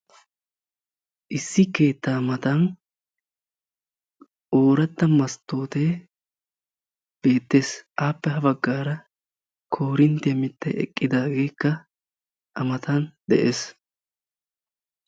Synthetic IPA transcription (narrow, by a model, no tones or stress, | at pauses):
ʔɪsːɪke̞ːt̪ːaːmɐt̪ɐn | ʔoːɾɐt̪ːɐmɐst̪ːo̞ːt̪eː | b̥e̞ːt̪ːe̞ːsʔaːpːɛɦɐbɐɡːaːɾɐ | kʰo̞ːɾɪnt̪ɪjɐmɪt̪ːɛɛ̰kʼːɪd̪aːɡe̞ːkːɐ | ʔɐmɐt̪ɐnd̪ɛʔeːs